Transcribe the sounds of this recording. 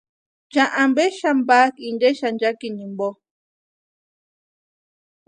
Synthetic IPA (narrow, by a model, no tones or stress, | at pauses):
t͡ʃaʔãmbɛʃambakindeʃand͡ʒakinĩmbɔ